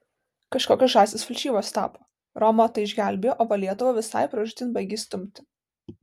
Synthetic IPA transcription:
kɐʃkoːkʲoɔːʒɑːsʲɪsfʲɪlʲʃʲiːboːst̪ɑ̰ːpoː | ɾɔmoːt̪ɐɪɪʒʲɡʲæˑlʲbʲejoːʔoːpɐlʲiɛt̪ʊʋɐʋʲɪsɑ̰ɪpɾɐʒʲʊt̪ʲɪnbɐɡʲiːsʲt̪ʊmʲt̪ʲɪ

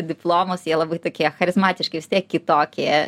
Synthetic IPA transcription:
d̪ʲɪplˠoːmoːsjiɛlˠɐbɐɪt̪oːkʲiɛxɐɾʲɪzmɑːt̪ʲɪʃkɐɪʋʲɪst̪ʲiɛkʲːɪt̪oːkʲiː

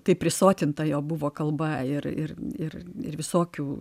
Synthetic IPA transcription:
t̪ɐɪpʲɾʲɪsoːt̪ʲɪnt̪ɐjoːbʊʋoːkɐlˠbɐɪrɪ̰rɪrɪ̰ɾʋʲɪsoːkʲuː

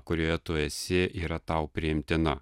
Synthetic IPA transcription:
kʊɾʲoːjɛt̪oːjɛsʲɪʔiːɾɐt̪ɑʊpʲɾʲɪɪmʲt̪ʲɪnɐ

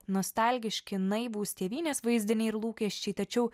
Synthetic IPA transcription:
noːst̪ɑlʲɡʲɪʃʲkʲɪnɐɪbuːsʲt̪ʲeːʋʲiːnʲeːsʋɐɪzʲd̪ʲɪnʲɛɪɪɾlˠuːkʲɛʃʲt͡ʃʲɛɪt̪ɐt͡ʃʲɛʊ

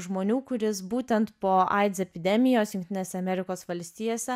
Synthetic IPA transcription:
ʒmoːnʲuːkʊɾʲɪsbuːt̪ʲɛnt̪poːʔɑɪt̪sɛpʲɪd̪ʲɛmʲɪjoːsjʊŋkt̪ʲɪnʲeːsʲɛɐmʲɛɾʲɪkoːsʋɐlʲsʲt̪ʲiːjoːsʲɛ

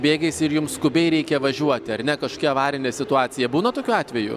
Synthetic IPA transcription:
bʲeːɡʲɛɪsɪɾjʊmskʊbʲɛɪɾʲɛɪkʲɛʋɐʒʲuɔt̪ʲɪɐɾnʲɛkɐʃokʲɛɐʋɑːɾʲɪnʲesʲɪt̪ʊɑːt̪sʲɪjɛbuːnɐt̪oːkʲuːɑːt̪ʲʋʲɛjṵː

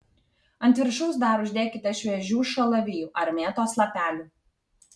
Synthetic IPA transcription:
ɐnʲt̪ʲʋʲɪɾʃɐʊsd̪ɑːɾʊʒʲd̪ʲeːkʲɪt̪ʲɐʃʲʋʲɛʒʲuːʃɐlˠɐʋʲiːjuːʔɐɾʲmʲeːt̪oːslˠɐpʲæːlʲuː

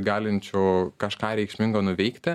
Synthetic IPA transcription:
ɡɑːlʲɪnʲt͡ʃʲoːkɐʃkɑːɾʲɛɪkʃʲmʲɪŋɡɐnʊʋʲɛɪkt̪ʲɪ

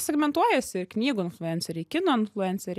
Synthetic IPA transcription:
sʲɛɡmʲɛnt̪uɔjɛsʲɪɪknʲiːɡʊːɪnflʲˠʊɛnʲsʲɛɾʲɛːkʲɪnoːɪnflʲˠʊɛnt̪sʲɛɾʲ

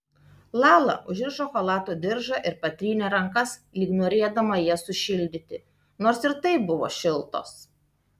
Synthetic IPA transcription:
lˠɑːlˠɐ̰ʔʊʒʲɪɾʃoxolˠɑːt̪uːd̪ʲɪɾʒɐʔɪɾpɐt̪ʲɾʲiːnʲɛːɾɐŋkɐslʲiːknoːɾʲeɛd̪ɐmɐjiɛsʊʃʲɪlʲd̪ʲɪt̪ʲɪ | noːɾsɪɾt̪ɐɪp̚bʊʋo̰ːʃʲɪlˠt̪o̰ːs

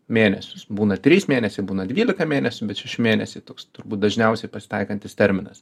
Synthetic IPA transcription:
mʲeːnʲɛsʲʊsbuːnɐt̪ʲɾʲiːsmʲeːnʲɛsʲɪbuːnɐd̪ʲʋʲiːlʲɪkɐmʲeːnʲɛsʲʊbʲɛt̪ʃʲɛʃʲɪmʲeːnʲɛsʲɪɪt̪oːkst̪ʊɾbuːt̪̚d̪ɐʒʲnʲɛʊsʲɛɪpɐsʲɪ̥t̪ɐɪkɐnʲt̪ʲɪst̪ʲɛɾʲmʲɪnɐs

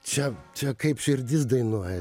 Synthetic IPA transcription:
t͡ʃʲɛt͡ʃʲɛkɐɪpʃʲɪɾʲd̪ʲɪsd̪ɐɪnuɔjɛ

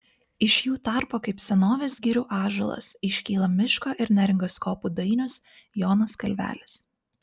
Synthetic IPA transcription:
ɪʃʲjuːt̪ɑˑɾpoːkɐɪpsʲɛnoːʋʲesɡʲɪɾʲuːʔɑːʒo̰lˠɐ̰sɪʃʲkʲiːlˠɐmʲɪʃkoːʔɪɾnʲæɾʲɪŋɡoskoːpud̪ɐɪnʲʊs | joːnoskɐlʲʋʲæ̰ːlʲɪs

